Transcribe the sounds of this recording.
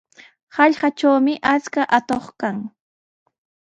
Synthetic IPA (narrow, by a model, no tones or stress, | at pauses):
hɑʎɢɑt͡ʃawmɪʔat͡skaʔat̪oχkaŋ